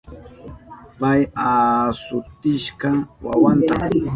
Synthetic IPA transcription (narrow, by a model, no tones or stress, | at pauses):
pajasʊt̪ɪʃkɑwa̰want̪a